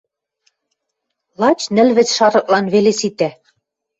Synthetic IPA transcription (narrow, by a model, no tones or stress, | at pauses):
lˠɑt͡ɕnɘ̆lβɘ̆t͡sʃɑɾɤ̆k̚ʼlɑnβelesit̪æ